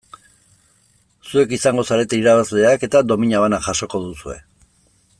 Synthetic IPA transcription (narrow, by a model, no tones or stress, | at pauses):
sue̞kisaŋɡo̞saɾe̞t̪eiɾaβazle̞ake̞t̪ad̪o̞miɲaβanaʝaʃo̞ko̞ðusue̞̰